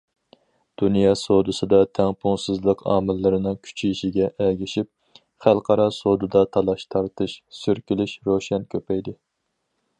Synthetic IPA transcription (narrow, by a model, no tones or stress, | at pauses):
d̪̥unjɑsod̪ɨsɨd̪ɑt̪ʰɛŋpʰuŋsɨzlˠəqʰɑ̰ːmɪlːɨɾɨnɨŋkʲʰy̥t͡ʃʰiʃiɡʲɛʔɛɡʲiʃip̚ | χælˠqʰɑɾɑsod̪ɨd̪ɑt̪ʰɑlˠɑʃt̪ʰɑɾt̪ʰɨʃsyɾkʲilɪʃɾoʃɛnkʲʰøpɛjd̪ɪ